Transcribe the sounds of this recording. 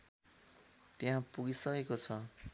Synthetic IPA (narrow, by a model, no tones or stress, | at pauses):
t̪eɦãpuɡisʌkekot͡sʰʌ